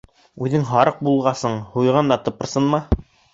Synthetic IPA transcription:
ʉðɘŋɦɑɾɤq̚bulˠʁɑsɤɴhujʁɑnd̪ɑt̪ɤ̆pɤ̆ɾsɤnmɑ

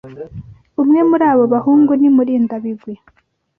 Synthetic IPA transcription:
umŋe̞muɾaːβo̞βahuːŋɡunimuɾiːndaβiɡwe

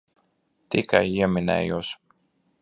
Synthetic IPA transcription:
t̪ikajiɛminɛ̰ːjuɔs

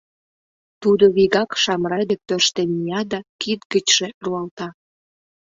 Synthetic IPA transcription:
t̪ud̪oβiɣɑkʃɑmɾɑd̪ek̚t̪øʃt̪enmijɑd̪ɑkid̪ɡət͡ɕʒ̥eruɑlt̪ɑ

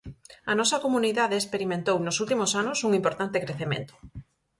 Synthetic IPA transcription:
ɐnɔsɐkomuniðaðeːspeɾimẽnt̪ownʊsult̪imʊsanʊsuŋimpoɾt̪ant̪ekɾeθemḛ̃nt̪ʊ̥

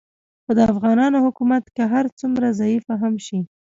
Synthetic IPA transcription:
xod̪əafɣɑnɑnohʊkumat̪keɦaɾt͡sumɾazaifaɦamʃi

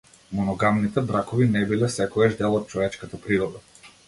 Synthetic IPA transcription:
mɔnɔɡamnit̪ɛbɾakɔvinɛbilɛsɛkɔɡaʒd̪ɛlˠɔt̪̚t͡ʃɔvɛt͡ʃkat̪apɾiɾɔd̪a

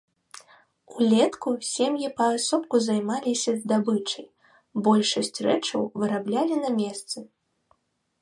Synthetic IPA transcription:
ulʲɛt̪kusʲemjipɐasɔp̚kuzajmalʲisʲɐzd̪abɨt͡ʂɐj | bɔlʲʂɐsʲt͡sʲrɛt͡ʂɐwvɨɾablʲalʲinɐmʲɛst̪sɨ

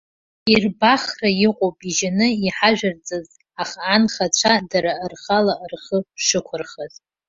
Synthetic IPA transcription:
irbaχrajɪqʼopʼiʒanɨiħaʒᶣart͡sʼaz | aχaːnχat͡ɕʷʰadaɾarχalaʔrχəʂɨkʷʰʊrχaz

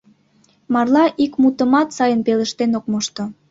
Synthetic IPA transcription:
mɑrlɑʔikmut̪əmɑt̪sɑjənpelə̆ʃt̪enokmoʃt̪ŏ

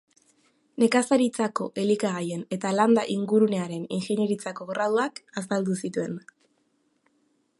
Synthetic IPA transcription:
ne̞kasaɾit͡sako̞̰ʔe̞likaɣaje̞ne̞t̪aland̪aʔiŋɡuɾune̞aɾe̞ninxeɲe̞ɾit͡sako̞ɣraðuakas̬ald̪usit̪ue̞n

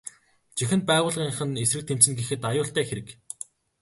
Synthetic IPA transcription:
t͡ɕixɘ̆nt̪̚pæːʁʊːɮʁiːɴχɘ̆nesrɘ̆k̚t̪ʰem̥t͡sɘ̆nɡexɘ̆t̪ajʊːɬt̪æːxeɾɘ̆k

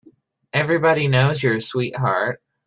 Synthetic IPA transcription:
ɛvɹibɑɾinoʊzjə˞swiʔ̚ɦɑ̰ɹt̚

